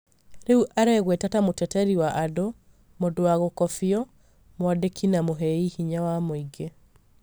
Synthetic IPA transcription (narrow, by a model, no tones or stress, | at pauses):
ɾeuʔaɾɛɣwetatamotɛtɛɾiwaʔado | modoaɣokɔfiɔ | mwadekʰinamoɦɛihiɲawamoiɡe